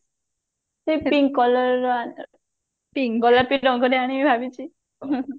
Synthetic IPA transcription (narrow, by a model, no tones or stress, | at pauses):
hepiŋkɔlɔɾɔa | piŋɡɔlapiɾɔŋɡɔɾeaɽ̃imibʱabit͡ʃʰi